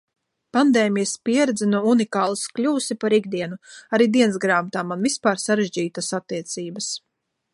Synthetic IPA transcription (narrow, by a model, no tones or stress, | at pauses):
pand̪eːmijəspiɛɾɛd̪zɛnuunikaːlˠsklʲuːsipaɾiɡd̪iɛnuaɾiːd̪iɛnsɡɾaːmat̪aːmanvispaːɾsaɾeʒd͡ʑiːt̪asat̪ːiɛt̪siːbɐs